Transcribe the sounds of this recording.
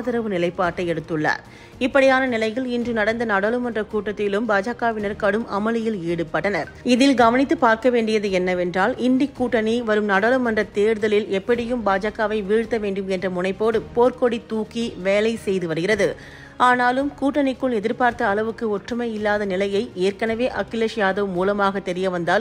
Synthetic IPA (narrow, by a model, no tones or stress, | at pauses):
ðɪɾɐʋɯnɪlɐɪpːaːɾʈːɐɪɛɽɯt̪ːɯɭːɐ̰ | ɪpːɐɽɪjaːnɐnɪlɐɪjɪlɪndrɯnɐɽɐnd̪ɐnɐɽɐlɯmɐndrɐkuːʈːɐt̪ːɪlɯmbaːd͡ʒaːkaːʋɪnɐɾkɐɽɯmɐ̰mɐlɯjɪliːɽɯpːɐʈːɐnɐɾ | ɪðɪlɡɐʋɐnɪt̪ːɯpaːɾkɐʋeːɳɖɪjɐðɯɛnːɐʋɛndraːlɪnd̪ɪkːuːʈːɐniʋɐɾɯmnɐɽɐlɯmɐndrɐt̪eːɾðɐlɪlɛpːɐɽɪjɯmbaːd͡ʒaːkaːʋɐɪʋiːɻɯt̪ːɐʋeːɳɖɯmɛndrɐmʊnɐɪpːoːɽɯpoːrkoɽit̪uːkiʋeːlɐɪsɛjðɯʋɐɾɯɣɪrɐðɯ | aːnaːlɯmkuːʈːɐnɪkːɯɭɛðɪɾpaːɾt̪ɐːlɐʋɯkːɯɔʈrɯmɐjɪlːaːðɐnɪlɐjɐɪeːɾkɐnɐʋeːʔɐkːɪleʂjaːðɐʋmuːlɐmaːɣɐt̪ːɛɾɪjɐʋɐnd̪aːl